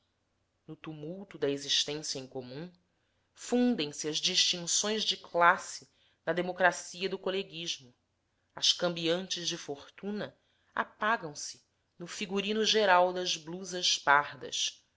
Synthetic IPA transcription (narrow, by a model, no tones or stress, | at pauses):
nʊt̪umuwt̪ʊd̪ɐeziʃt̪ẽsjɐẽkomũ | fũnd̪ẽj̃sɪɐzd͡ʒiʃt͡ʃĩŋsõj̃zd͡ʒɪklasɪ | nɐd̪emokɾasiɐd̪ʊkoleɡiʒmʊ | ɐʃkɐ̃mbiɐ̃nt͡ʃɪzd͡ʒɪfoχt̪ũnɐ | a̰paɡɐ̃w̃sɪ̥ | nʊfiɡuɾĩnʊʒeɾawd̪ɐzbluzɐʃpaɾd̪ɐ̰ʃ